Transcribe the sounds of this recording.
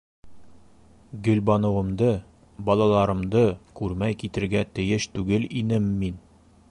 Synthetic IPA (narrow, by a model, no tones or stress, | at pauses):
ɡɵ̆lbɒnɤ̆wɤ̆md̪ɤ | bɒlˠɑlˠɑɾɤ̆md̪ɤkʉɾmæjkit̪ɘ̆ɾɡæt̪ɘ̆jɘʃt̪ʉɡɘlinɘmːin